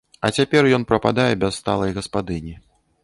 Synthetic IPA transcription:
ɐt͡sʲapʲɛrjɔnpɾɐpad̪ajɛbʲɛssːt̪alˠɐjɣɐspad̪ɨnʲi

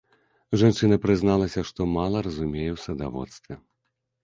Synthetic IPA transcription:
ʐant͡ʂɨnɐpɾɨznalˠɐsʲɐʂt̪ɔmalˠɐɾɐzumʲejɛwsɐd̪a̰vɔ̰t̪st̪vʲɛ

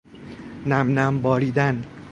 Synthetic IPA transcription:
næmnæmbɒːɾiːd̪æn

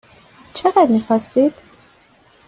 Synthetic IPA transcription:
t͡ʃʰeʁæd̪miːxɒst̪iːd̪̥

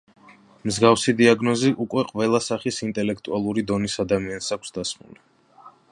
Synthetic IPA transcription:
mzɡafsid̪iaɡnɔziʔukʼwɛqʼvɛlˠasaχisint̪ʼɛlɛk̚ʰt̪ʼualˠuɾid̪ɔnisad̪amiansakʷʰsd̪asmṵli

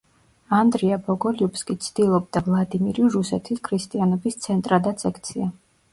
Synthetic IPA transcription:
and̪ɾiabɔɡɔliupskʼit̪sʰd̪̥ilˠɔbd̪avlˠad̪imiɾiɾusɛt̪ʰiskʰɾist̪ʼianɔbist̪sʰɛnt̪ʼɾad̪at̪sʰɛkʰt̪sʰia

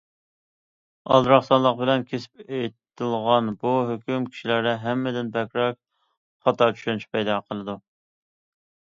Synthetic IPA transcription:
ɑ̰lˠɾɑχsɑnlˠəq̚bɪlɛnkʲʰesɪ̥pet̪ɪlˠʁɑnbuɦøkʲymkʲʰi̥ʃilæɾd̪ɛɦɛmːɪd̪ɪnbɛkʲɾɑk̚ | χɑt̪ɑɾt͡ʃʰy̥ʃynyʃpʰɛjd̪ɑqʰəlˠɨd̪u

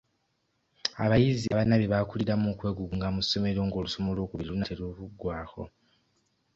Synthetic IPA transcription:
a̰βajiziaβanaβiβakuliɾamukwe̞ːɡuɡuŋɡamuso̞me̞ɾo̞ːŋɡo̞ːluso̞mo̞lo̞ːkuβiɾiunatʰeɾuβuɡwaːxo̞̰

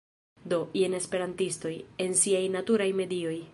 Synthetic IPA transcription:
do̞ʔiene̞spe̞ɾantisto̞je̞nsiajnatuɾajme̞dio̞j

